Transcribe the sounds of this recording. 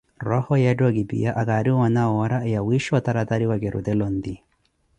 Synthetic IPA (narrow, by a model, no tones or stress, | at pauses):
ɾɔhɔjɛdɔɡibḭjaʔaɡaɾiwanawɔɾajawiʃɔt̪aɾat̪aɾiwaɡɛɾṵd̪ɛlɔnd̪i